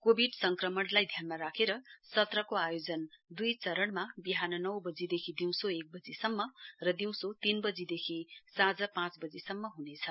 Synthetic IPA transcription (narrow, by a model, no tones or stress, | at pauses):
kobʱiɖsʌŋkrʌmʌnlajd̪ʱjanmaɾakʰeɾʌsʌt̪rʌkoajod͡zʌnd̪ujt͡sʌɾʌɳmabiɦanʌnʌwbʌd͡zid̪ekʰid̪iw̃soek̚bʌd͡zisʌmːʌrʌd̪iw̃sot̪inbʌd͡zid̪ekʰisad͡zʌpãt͡sbʌd͡zisʌmːʌɦunet͡sʰʌ